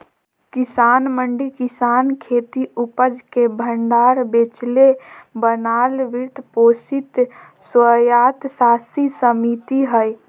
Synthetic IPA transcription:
kɪsaːnməɳɖikɪsaːnkʰeːt̪iupəd͡ʒkebʱəɳɖaːɾbeːt͡ʃlebənaːlʋɪɾt̪poːsit̪ | swəjaːt̪saːsisəmit̪iɦəj

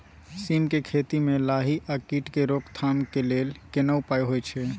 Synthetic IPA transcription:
simkekʰet̪imẽlaɦiʔakiːʈkeɾokt̪ʰamkeleːlkenəupajɦojt͡ʃʰɛ

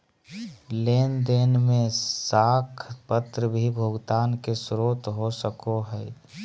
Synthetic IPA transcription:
leːnd̪eːnmẽsaːkʰpət̪ɾəbʱibʱoɡt̪aːnkesɾoːt̪ɦosəkoɦəɪ

